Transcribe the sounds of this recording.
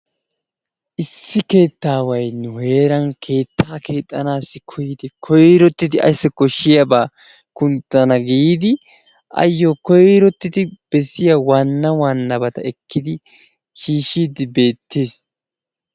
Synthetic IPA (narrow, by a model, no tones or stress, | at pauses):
ʔɪsːɪke̞ːt̪ːaːwɐjnʊhe̞ːɾɐŋkʰe̞ːt̪ʰːaːkʰe̞ːt̪ʼːɐnaːsːɪkʰɔjɪd̪ɪkʰɔjɾɔt̪ːɪd̪ɪɐ̰jsːɪkːɔʃɪjɐbaː | kʊnt̪ːɐnɐɡiiːd̪ɪ | ʔɐ̰jːoːkɔjɾɔt̪ːɪd̪ɪb̥ɛsːɪjɐwɐnːɐwɐnːɐbɐt̪ɐ̰ɛkːɪd̪ɪ | ʃiːʃiːd̪ɪbe̞ːt̪ʰːeːs